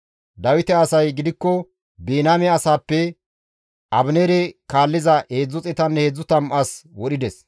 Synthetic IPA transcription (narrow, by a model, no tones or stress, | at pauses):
d̪ɐwɪt̪ɛɐsɐjɡɪd̪ɪkːɔ | beːnaːmɛɐsaːpːɛ | ʔɐbneːɾɛkaːlːɪzɐeːd͡zːʊt͡sʼɛt̪ɐnːɛheːd͡zːʊt̪ɐmʔɐswɔɗɪd̪ɛs